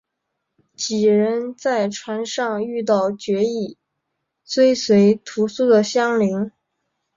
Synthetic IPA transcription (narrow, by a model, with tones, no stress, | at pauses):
t͡ɕi˨˩ɻə˧˥nt͡sa˥˩ɪʈ͡ʂʰwa˧˥nʂɑ˥˧ŋy˥˧t̪̬ɑ˥˩ʊt͡ɕɥɛ˧˥i˥˩ | t͡swe˥ɪswe˧˥ɪt̪ʰu˧˥su˥˩d̪ə˨ɕjɑ˥ŋli˧˥ŋ